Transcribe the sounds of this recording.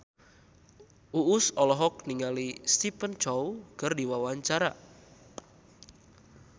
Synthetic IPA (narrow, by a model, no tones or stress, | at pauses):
uʊsɔlɔɦɔk̚niŋalist̪ipənt͡ʃɔwkərdiwawaɲt͡ʃaɾa